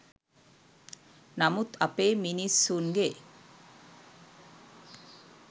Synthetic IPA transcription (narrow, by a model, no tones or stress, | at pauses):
namut̪apeːminisːunɡe